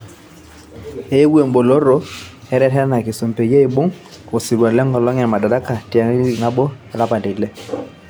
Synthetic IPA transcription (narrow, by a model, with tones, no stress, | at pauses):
e˦ɡe˨m˦bo˨lo˦ɾɔ˦ | ɛ˦ɾɛ˦tɛ˦ɾna˨kɪ˨su˨m˨pe˨ja˦i˨bo˦ŋ | o˨si˨ɾwa˨lɛ˦ŋɡɔ˨lɔ˦ŋ˦a˨ma˨da˨da˦ka˨ti˨a˨˦na˦bɔ˦a˨la˦pa˨de˨lɛ˦